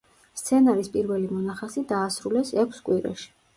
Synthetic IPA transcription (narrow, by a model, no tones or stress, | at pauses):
st̪sʰɛnaɾispʼiɾvɛlimɔnaχasid̪aːsɾulɛsɛkʷʰskʼwiɾa̰ʃi̥